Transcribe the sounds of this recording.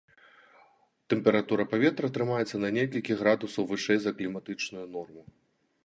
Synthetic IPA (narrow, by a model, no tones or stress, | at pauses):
t̪ɛmpʲɛɾat̪uɾɐpavʲɛt̪ɾɐt̪ɾɨmajɛt̪sːɐnɐnʲɛkɐlʲkʲiɣɾad̪usɐwvɨʂɛjzɐklʲimat̪ɨt͡ʂnujunɔrmu